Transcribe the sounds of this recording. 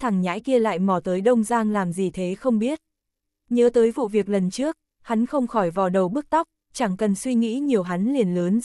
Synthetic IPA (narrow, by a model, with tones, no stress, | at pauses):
t̪ʰa˨˩ŋɲa̰ː˧˥jki˧əla̰ː˧˨jmɔ˨˩t̪əː˨˦jɗə˧wŋ͡mzaː˧ŋlaː˨˩mzi˨˩t̪ʰe˨˦xə˧wŋ͡mɓi˦˥ət̚ | ɲəː˨˦t̪əː˨˦jvṵ˧˨vi˨˩ək̚lə˨˩nt͡ɕɨ˦˥ək̚ | ha˨˦nxə˧wŋ͡mxɔ˧˩jvɔ˨˩ɗə˨˩wɓɨ˦˥ək̚t̪ɔ˦˥k͡p̚ | t͡ɕa˧˩ŋkə˨˩nswi˧ŋḭ˧˥ɲi˨˩əwɦa˨˦nli˨˩ənləː˨˦n